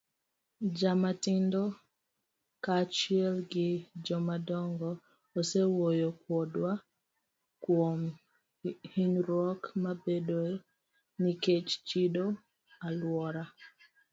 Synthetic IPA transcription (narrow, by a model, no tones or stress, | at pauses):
d͡ʒamatɪndɔ | kat͡ʃiɛlɡɪd͡ʒɔmadɔŋɡɔ | osewojok̚wɔdwa | kwom | hiɲɾɔkmabedo | niket͡ʃt͡ʃido | alwɔɾa